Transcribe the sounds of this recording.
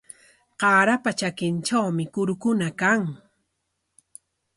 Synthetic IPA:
qɑːɾapat͡ʃakɪnʈ͡ʂawmɪkʊɾʊkʊnakaŋ

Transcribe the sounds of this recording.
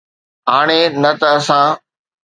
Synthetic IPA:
ɦaːɽ̃eːnɐt̪ɐəsãː

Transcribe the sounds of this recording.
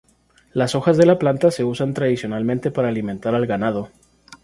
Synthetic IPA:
laso̞xazðe̞laplant̪ase̞usant̪ɾaðisjo̞nalmẽnt̪e̞paɾaːlimẽ̞nt̪aɾalɣanað̞o̞

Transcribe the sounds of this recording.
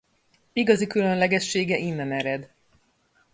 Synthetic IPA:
iɡɒzikylø̞nlɛɡɛʃːeːɡɛʔinːɛnɛɾɛd̪

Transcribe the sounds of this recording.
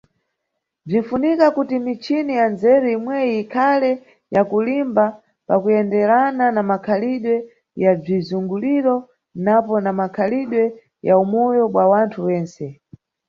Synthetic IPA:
b͡ʐin̩funikakutimit͡ʃinijanzɛɾuimwɛiikʰalɛ | jakulimba | pakujɛndɛɾananamakʰaliɗwɛ | jab͡ʐizuŋɡuliɾɔ | napɔnamakʰaliɗwɛ | jaumɔjɔɓwawantʰuwɛːnsɛ

